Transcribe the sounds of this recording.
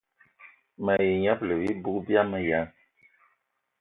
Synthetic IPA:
ma˨je˨ɲa˦plə˨wi˦bu˦bja˦nɨ˦ja˨˦ŋ

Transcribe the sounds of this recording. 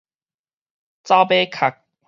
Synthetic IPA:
t͡sa˦pe˦kʰa˨˩k̚

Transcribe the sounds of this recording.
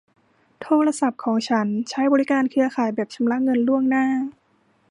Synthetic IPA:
t̪ʰoː˧ɾa˧sa˨˩p̚kʰɔː˩˦ŋt͡ɕʰa˦˥nt͡ɕʰa˦˥jbɔː˧ɾi˦˥kaː˧nkʰɯ˧ɐkʰaː˩˦jbɛː˨˩p̚t͡ɕʰa˧mla˦˥ŋɤ˧nlu˥˩əŋnaː˥˩

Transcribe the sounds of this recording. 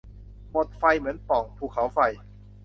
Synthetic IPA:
mo˨˩t̪̚fa˧jmɯ˩˦ənpɔ˨˩ŋpʰuː˨˩kʰːa˩˦wfa˧j

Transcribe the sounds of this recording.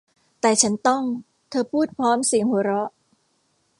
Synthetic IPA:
t̪ɛː˨˩t͡ɕʰa˦˥nt̪ɔ˥˩ŋ | t̪ʰɤː˧pʰuː˥˩t̪̚pʰɔː˦˥msi˨˩˦əŋhu˩˦ɾɔ˦˥ʔ

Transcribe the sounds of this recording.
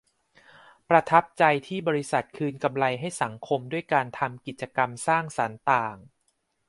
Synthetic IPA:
pɾa˧t̪ʰa˦˥p̚t͡ɕa˧jt̪ʰiː˥˩bɔː˧ɾi˦˥sa˨˩t̪̚kʰɯː˧nka˧mla˧jɦa˥˩jsa˩˦ŋkʰo˧mdu˥˩əjkaː˧nt̪ʰa˧mki˨˩t̪̚t͡ɕa˧ka˧msaː˥˩ŋsa˩˦nt̪aː˨˩ŋ

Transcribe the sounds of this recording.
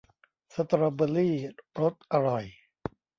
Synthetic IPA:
sa˧˩t̪ɾa˧bə˧liː˥˩ɾo˦˥t̪̚ʔa˧ɾɔ˨˩j

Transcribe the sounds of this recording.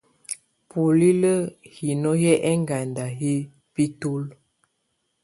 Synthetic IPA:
po˨li˦lə˦hi˨nɔ˦jɛ˦ʔɛ˦ŋɡa˨nda˨ɦi˦ | pi˦to˦l

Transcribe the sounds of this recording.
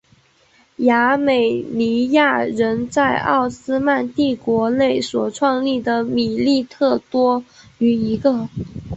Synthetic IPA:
ja˧˥me˨˩ɪni˧˥ja˥˩ɻə˧˥nt͡sa˥˧ɪɑ̰˥˩ʊsɹ̩˥ma˥˧nt̪i˥˩kwɔ˧˥ne˥˩ɪswɔ˨˩ʈ͡ʂʰwɑ˥˧ŋli˥˩d̪ə˩mi˨˩li˥˧t̪ʰɤ˥˩t̪wɔ˥ | y˧˩i˧˥ɡə˧

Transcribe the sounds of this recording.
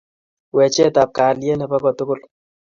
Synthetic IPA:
wɛ˨t͡ʃɛ˦ta˨p̚ka˨ljɛ˦nɛ˨pa˦kɔ˨tʊ˦kʊ˦˨l

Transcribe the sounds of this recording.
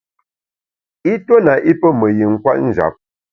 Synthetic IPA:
i˦to˦na˨ʔi˦pə˦mə˨ji˨ŋ̩˦˨kwa̰˦ʔn̩˦˨d͡ʒa̰˨p̚

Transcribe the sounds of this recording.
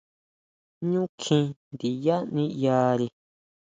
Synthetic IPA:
ɲũ˦kʰĩ˧nd̪i˨ja˦nĩ˧jaː˧ɾi˧

